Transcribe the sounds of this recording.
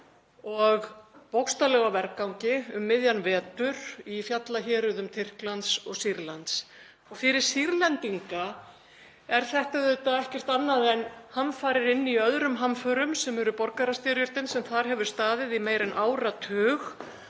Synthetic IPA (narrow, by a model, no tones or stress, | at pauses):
ɔɣpowkst̪alɛːɣavɛɾkawŋcɪʏmːɪðjanvɛːt̪ʏɾifjat̪laçɛːɾʏðʏmt̪ʰɪr̥klant̪sɔɣsiɾlant̪s | ɔɣfɪɾɪɾ̥siɾlɛnt̪iŋka | ɛɾ̥θɛht̪aðʏt̪aɛhcɛr̥t̪anːaðɛnhamfaːɾɪɾɪnːiœðɾʏmɦamfœɾʏmsɛmɛɾʏpɔɾkaɾast̪ɛːɾjʏɾ̥t̪ɪnsɛmθaɾ̥ɦɛvʏɾ̥st̪aːðɪðimeːjɾɪnʔaːwɾat̪ʰœːx